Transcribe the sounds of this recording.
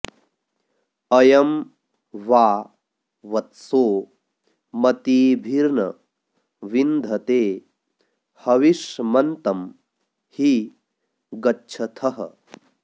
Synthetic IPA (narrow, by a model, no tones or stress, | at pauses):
ɐjɐm | ʋaː | ʋɐt̪soː | mɐt̪iːbʱiɾnɐ̰ | ʋind̪ʱɐt̪eː | hɐʋiʂmɐnt̪ɐm | hi | ɡɐtːt͡ʃʰɐt̪ʰɐɦɐ̰